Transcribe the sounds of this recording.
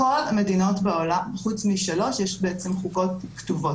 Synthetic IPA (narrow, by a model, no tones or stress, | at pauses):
o̞lamedino̞tbeolamχut͡smiʃalo̞ʃjɛʃbeet͡semχuɡo̞tktuvo̞